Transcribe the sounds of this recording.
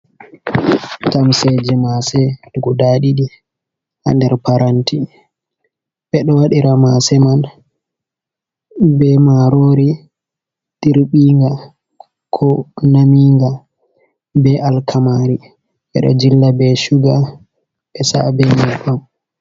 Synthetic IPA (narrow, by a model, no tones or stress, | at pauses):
tamsɛd͡ʒɛmasɛuɡɔdaɗiɗi | ha̰ndɛɾpaɾʔantʰi | ɓɛɗɔwaɗiɾamasɛman | bɛmaɾoɾi | tiɾɓiːŋɡa | kʰɔnamiːŋɡa | bɛʔalkʰamaɾi | ɓɛ̰ɗɔ̰d͡ʒilːabɛʃuɡa | ɓɛsa̰bɛnikam